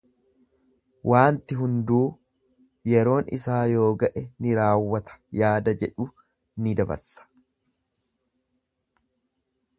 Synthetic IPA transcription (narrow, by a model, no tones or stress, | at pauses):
wʔaːnt̪ɪɦʊnd̪uː | jɛɾo̞ːnɪ̰saːjo̞ːɡɐʔɛnɪɾaːwːɐt̪ɐ̥jaːd̪ɐd͡ʒɛᶑʊ | nɪd̪ɐbɐ̰ɾsɐ̥